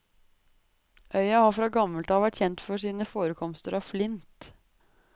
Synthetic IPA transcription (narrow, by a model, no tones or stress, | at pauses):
ʔœʏɑhɑfɾɑːɡɑməlt̪ɑːʋæʈçɛnt̪fɔʂiːnəfoːɾəkʰɔmst̪əɾɑflɪnt̪